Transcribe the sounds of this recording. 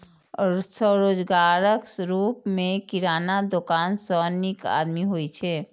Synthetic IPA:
səɾoːd͡ʒɡaːɾəkɾuːpmẽkiɾaːnad̪okaːnsɔnika̰ːd̪miɦoit͡ʃʰɛ

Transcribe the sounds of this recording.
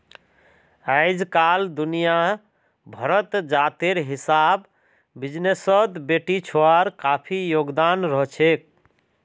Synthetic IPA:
aɪd͡ʒkald̪unija | bʱəɾət̪d͡ʒat̪eɾɦisabː | id͡ʒnesət̪beʈit͡ʃʰoaɾkapʰijoɡd̪anɾəɦt͡ʃʰek̚

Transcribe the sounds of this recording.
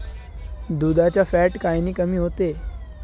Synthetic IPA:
d̪ud̪ʱat͡ɕjafɛʈkajniːkəmiːɦot̪e

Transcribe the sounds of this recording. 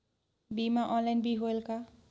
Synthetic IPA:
bimaʔɔnlajnbiɦoelka

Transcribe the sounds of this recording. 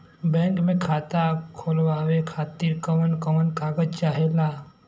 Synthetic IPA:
bɛ̃ːŋkmẽkʰaːt̪akʰoːlwaːwekʰaːt̪iɾkəmənkəmənkʰaːɡəd̪̚t͡ʃaːɦelaː

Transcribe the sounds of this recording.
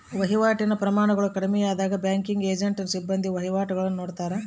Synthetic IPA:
ʋɐɦiʋaːʈinɐpɾɐmaːɳɐɡɐɭukɐɽimɛjaːd̪aːɡɐbjaːŋkiŋɡeːd͡ʒeɳʈnɐsibːɐnd̪ʱiʋɐɦiʋaːʈɐɡɐɭɐnːunoːɽt̪aːɾɐ

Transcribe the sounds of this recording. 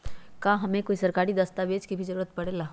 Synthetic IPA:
kãːɦɐmẽkoːisɐɾkaːɾid̪ɐst̪aʋeːd͡ʒkibʱizɐɾuːɾət̪pɐɽeːlaː

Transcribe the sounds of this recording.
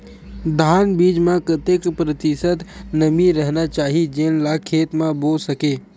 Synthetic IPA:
d̪ʱaːnbiːd͡ʒmãkɐt̪ekpɾɐt̪ɪsət̪nɐmiɾɛɦnat͡ʃaːɦid͡ʒeːnlakʰeːt̪mãboːsɐkeː

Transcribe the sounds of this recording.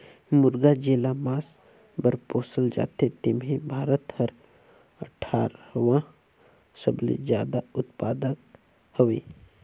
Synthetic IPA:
mʊɾɡad͡ʒeːlamaːs | bəɾpoːsəld͡ʒa̰ːt̪et̪ɪmɦẽbʱaːɾət̪həɾ | əʈʰaːɾwã | səblḛd͡ʒjaːd̪aʊt̪paːd̪ək | hoʋeː

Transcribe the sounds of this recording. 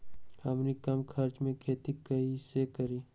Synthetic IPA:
ɐmnikɐmkʰɐɾt͡ʃmẽkʰeːt̪ikɐisekəɾiː

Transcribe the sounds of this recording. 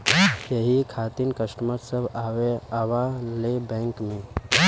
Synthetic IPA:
jəɦikʰat̪inkəsʈmət̪səbaweaʋalebɛ̃ŋkmẽ

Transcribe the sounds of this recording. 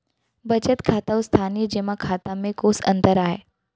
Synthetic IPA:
bət͡ʃət̪kʰat̪əʋst̪ʰaniːəd͡ʑeʋakʰat̪amẽkosə̰nt̪əɾaɦe

